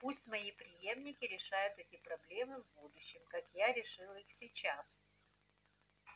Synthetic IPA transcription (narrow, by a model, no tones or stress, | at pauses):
pusʲtʲmɐipɾʲɪje̞mnʲɪkʲɪɾʲɪʂajʊt̪ɛtʲɪpɾɐblʲe̞mɨvbud̪ʊɕːɪmkakjaɾʲɪʂɨlˠixsʲɪt͡ɕas